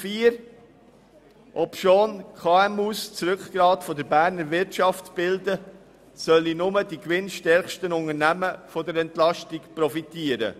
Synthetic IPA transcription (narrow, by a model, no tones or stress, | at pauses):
fiːɾ | ʔɔpʃoːnkʰɑːɛmust͡sɾʏkɡ̥ɾɑːtfɔdəɾbæːɾnəɾʋɪɾtʃɑftb̥ɪldə | sœlinʊmədikʋɪnʃtɛɾχʃtənʊŋəɾnæməfɔdəɾɛntlɑʃtikpɾɔfitiəɾə̰